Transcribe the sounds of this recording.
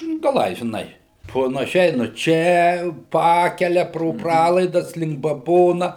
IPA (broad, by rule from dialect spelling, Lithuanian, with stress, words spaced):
ɡɐˈlˠɐɪ ʒʲɪˈnɐɪ pɐnɐˈʃʲɛɪ nʊ ˈt͡ʃʲɛ ˈpɑːkʲɛlʲɛ proː ˈprɑːlˠɐɪdɐs lʲɪŋk bɐˈboːnɐ